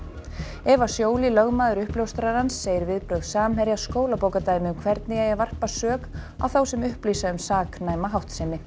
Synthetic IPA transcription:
ɛvasjoːwlɪlœɣmaːðʏɾʏhpljowst̪ɾaɾ̥hansːeːjɪɾvɪðpɾœɥɣðsaːmɦɛɾjaskoːwlapoːwkat̪aːjmɪʏmkʰvɛɾt̪nɪjɛjɛɣvar̥pasœːk | a̰wθawsɛmʏhpliːsaʏmsaːknaːjmaɦawht̪sɪnːɪ

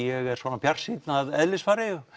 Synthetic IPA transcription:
jɛɣɛɾ̥svɔːnapʰjar̥sit̪naðɛðlɪsfaːɾɪjʏ

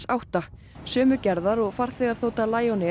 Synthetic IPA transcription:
sawht̪a | sœːmʏcɛɾðaɾɔɣfaɾ̥θɛɣaðθoːwt̪alaːjawnɪ

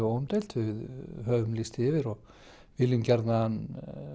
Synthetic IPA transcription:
owʏmt̪ejlt̪vɪðɦœːvʏmlist̪ɪːvɪɾɔɣ | vɪlɪmcɛɾt̪naan

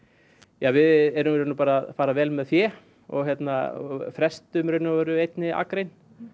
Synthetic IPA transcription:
jaːvɪðɛɾʏmɾʏɾnʏpaːɾaðfaːɾavɛːlmɛðθjɛ | ɔ̰ɣçjɛt̪na̰fɾɛst̪ʏmɾœnavɛɾʏejt̪nɪa̰kɾejn

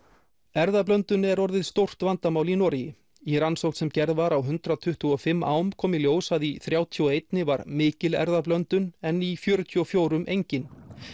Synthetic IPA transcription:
ɛɾðaplœnt̪ʏnɛɾɔɾðɪðst̪owr̥t̪vant̪amaːwlinɔɾijɪ | iɾansowht̪sɛmcɛɾðvaɾawɦʏnt̪ɾat̪ʰʏht̪ʏɔfɪmːa̰ːwmkʰɔːmɪljoːwsaðiθɾjaːwt̪ʰiɔejt̪nɪvaɾmɪːcɪlɛ̰ɾðaplœnt̪ʏnɛnːifjœːɾʏt̪ʰːɔfjoːwɾʏmʔejɲcɪn

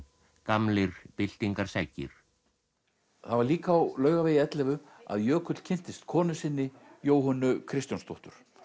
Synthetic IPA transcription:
kamlɪɾpɪl̥t̪iŋkaɾ̥saːjcɪ̰ɾ̥ | θaðvaɾliːkawlœːɥɣaveːjɪɛt̪lɛvʏa̰ðjœːkʰʏt̪l̥cʰɪn̥t̪ɪst̪kʰɔːnʏsɪnːɪjoːwɦɔnːʏkʰɾɪst̪janst̪oht̪ʏɾ̥

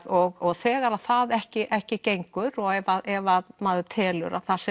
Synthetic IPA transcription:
ɔɣɔɣθɛːɣaɾaðθaðɛhcɪʔɛhcɪcejŋkʏɾɔɣɛvaðɛvaðmaːðʏt̪ʰɛːlʏ̰ɾa̰θas

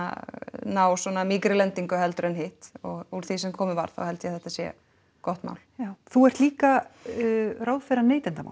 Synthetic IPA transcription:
naːwswɔːnamiːkɾɪlɛnt̪iŋkʏɦɛlt̪ʏɾɛnɦɪht̪ɔɣuɾθisɛmkʰɔːmɪva̰ɾθa̰whɛlt̪jɛθɛht̪asjɛ̰ | kɔht̪ma̰ːwljawθuɛr̥t̪liːka | raːwðfɛɾaneːjt̪ɛnt̪ama̰ːwl

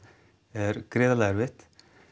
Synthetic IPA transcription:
ɛɾkɾɪːðalaːɣəɾvɪht̪

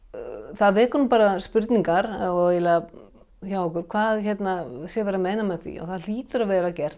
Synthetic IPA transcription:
θaðvɛːkʏɾnʏmpaːɾaspʏɾt̪niŋkaɾaeːla | çawhɔkʏɾ̥kʰvaːðçɛt̪nasjɛvɛɾameːjnamɛðθḭɔ̰ɣθaðliːt̪ʏɾavɛːɾacɛr̥t̪

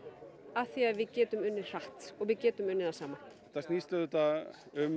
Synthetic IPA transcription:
aθiaðvɪðcɛːt̪ʏmʏnːɪɾ̥raht̪ɔɣvɪðcɛːt̪ʏmʏnːɪɾθasaːma | θasniːst̪ʏðʏt̪a | ʏm

